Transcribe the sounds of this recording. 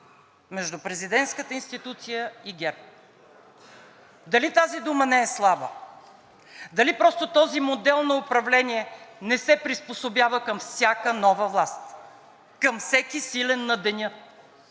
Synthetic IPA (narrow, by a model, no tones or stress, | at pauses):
mɛʒd̪ʊpɾɛzid̪ɛnt̪skət̪əinst̪it̪ut̪sijəiɡʲɛɾp | d̪ɐlit̪azid̪umənɛɛslˠabə | d̪ɐlipɾɔst̪ot̪ɔzimod̪ɛlˠnɐʊpɾɐvlɛniɛnɛsɛpɾisposobjavəkəmfsʲjakənɔvəvlˠast̪ | kəmfsɛkisilɛnːɐd̪ɛnʲɤ